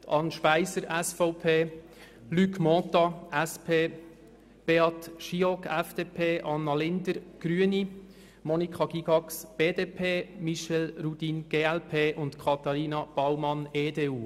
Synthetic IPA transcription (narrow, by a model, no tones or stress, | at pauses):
t̪ɑnʃpæɪzəɾɛsfɔʊpʰeː | lykmɔt̪ɑɛspʰeː | b̥eːɑt̪ʃiɔkʰɛfd̥̪eːpʰeːʔɑnːɑlɪnd̪əɾɡ̥ɾyəni | mɔnikʰɑɡ̥iɡɑksb̥eːdeːpʰeːmiʃɛlɾud̥̪iːnɡ̥eːɛlpʰeːʔʊnt̪kʰɑt̪ɑɾiːnɑb̥ɑwmɑneːdeːuː